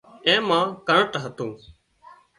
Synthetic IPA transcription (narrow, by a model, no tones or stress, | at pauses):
ẽːmãːkəɳəʈɦət̪ũː